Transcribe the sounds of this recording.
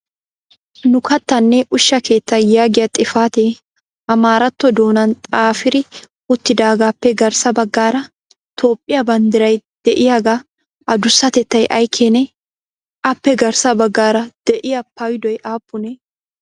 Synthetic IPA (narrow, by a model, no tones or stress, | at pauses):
nʊkɐt̪ːɐnːɛʔʊʃːɐkʰe̞ːt̪ːɐjaːɡɪjɐt̪ʼɪfaːt̪eː | ɐmaːɾɐt̪ːɔd̪o̞ːnɐnt̪ʼaːfɪɾɪ | ʊt̪ːɪd̪aːɡaːpːɛɡɐɾsɐbɐɡːaːɾɐ | t̪ʰo̞ːpʼːɪjɐbɐnd̪ɪɾɐjd̪̥ɛʔɪjaːɡa | ʔɐd̪ʊsːɐt̪ɛt̪ːɐjʔɐjkʰːeːnɛ | ʔɐpːɛɡɐɾsɐbɐɡːaːɾɐd̪̥ɛʔɪjɐpʰɐwɪd̪ɔjʔaːpːʊnɛ